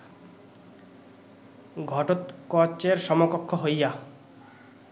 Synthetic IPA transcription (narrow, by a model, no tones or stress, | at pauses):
ɡʱɔʈot̪kɔt͡ʃeɾʃɔmokɔkʰːɔɦoja